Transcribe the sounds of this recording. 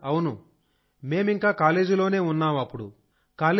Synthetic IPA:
ɐwunu | me̞ːmiŋkaːkaːle̞ːd͡ʒilo̞ːne̞ːunːaːmɐpːuɽu | kaːle

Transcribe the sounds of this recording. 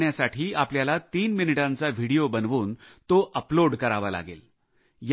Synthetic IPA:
ɳjasaʈʰiːapljalat̪iːnminiʈãnt͡saʋ̤ʱiɽijobənʋuːnt̪oʔəploɽkəɾaʋala̰ɡḛl | j

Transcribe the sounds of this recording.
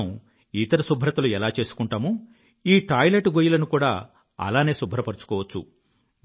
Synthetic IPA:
it̪ɐɾɐsubʱɾɐt̪ɐluɛlaːt͡ʃe̞ːsu̥kuɳʈaːmu | iːʈaːjleʈɡojulɐnukuːɽaː | ɐ̰laːne̞ːsubʱːɐɾɐpɐɾut͡ʃu̥kɔːʋɐt͡ʃːṵ

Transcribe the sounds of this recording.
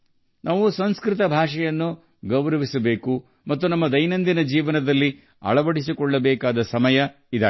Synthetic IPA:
nʔaːʋusɐnskɾɪt̪ɐbʱaːʂɛjɐnːu | ɡɐʋɾɐʋisɐbeːku | mɐt̪ːunɐmːɐd̪ɐjnɐnd̪inɐd͡ʒiːʋɐnɐd̪ɐlːi | ɐ̰ɭɐʋɐɽisikɔɭːɐbɛːkaːd̪ɐsɐmɐjɐ | id̪a̰

